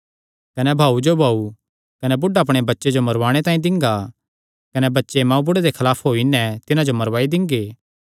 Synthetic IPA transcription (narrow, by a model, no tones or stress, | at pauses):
kɐnɛbʱaːud͡ʒobʱaːu | kɐnɛbʊɖaɐp̬ɽ̃ebɐtːʃed͡ʒomɐɾʋaːɽ̃et̪aːĩd̪ɪ̃ŋɡa | kɐnɛbɐtːʃemãːũbʊɽed̪ekʰɐlaːpʰɦoːinɛ̃t̪ɪnãd͡ʒomɐɾʋaːid̪ɪ̃ŋɡeː